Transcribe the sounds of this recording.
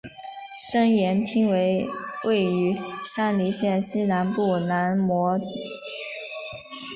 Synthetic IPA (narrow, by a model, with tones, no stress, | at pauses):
ʂɤ˥ŋjɛ˧˥nt̪ʰi˥ŋwe˧˥ɪwʔe˥˩ɪy˧˥ʂa˥˩nli˧˥ɕjɛ˥˩nɕi˥na˧˥npu˥˩na˧˥nmwɔ˧˥˨